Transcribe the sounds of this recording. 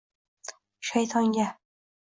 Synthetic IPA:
ʃajt̪ʰɒŋɡʲa

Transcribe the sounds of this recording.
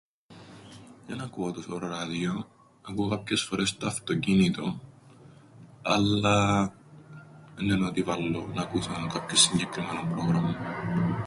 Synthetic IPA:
jɐnɐkoot̪osoɾoɾɐðio̞ | ɐkukɐpçe̞sfo̞ɾe̞st̪ɐːft̪o̞cinit̪o̞ | ɐlːɐ | nːenot̪ivɐlːonɐkusɐnkɐpçsːiɲɟekɾimenompɾoɣɾɐmːɐ

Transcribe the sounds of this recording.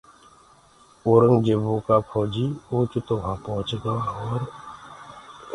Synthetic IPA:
oːɾəŋɡd͡ʒebũkapʰɔːd͡ʒiuːt͡ʃt̪oʋãpɔɦʊ̃t͡ʃɡaɔːɾ

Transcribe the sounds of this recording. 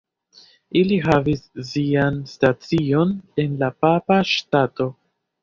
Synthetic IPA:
iliɦavisːianstat͡sio̞ne̞nlapapaʃtato̞

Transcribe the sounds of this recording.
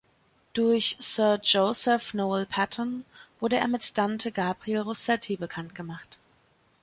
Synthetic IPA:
d̥ʊɐçsœɐd͡ʒosɛfnoːlpʰatʰənv̥ʊɐɾəḛːɐmɪtd̥antʰəɡaːbʁielʁosɛtʰibəkʰantɡ̥əmaχt

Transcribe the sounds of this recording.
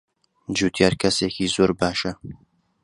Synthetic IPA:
d͡ʒuːt̪ʰjɑːɾkʰɐseːkiːzoːɾbaːʃɐ

